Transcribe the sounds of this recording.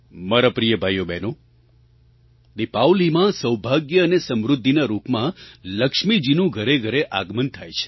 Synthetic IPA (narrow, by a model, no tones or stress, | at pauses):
maɾapɾijəbʱajobeno | d̪ipawlimãsəwbʱaɡjəːnesəmɾʊd̪ʱːinaɾupmãləkʂmid͡ʒinũɡʱəɾeɡʱəɾeʔaɡmənt̪ʰajt͡ʃʰe̥